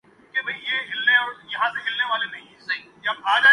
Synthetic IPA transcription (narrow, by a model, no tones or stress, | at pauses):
kebʱɐɦĩjeɦɪlneɔːɾjɐɦãseɦɪlneʋaːlenɐɦĩsɐɦĩ | ɐbaːd͡ʒaː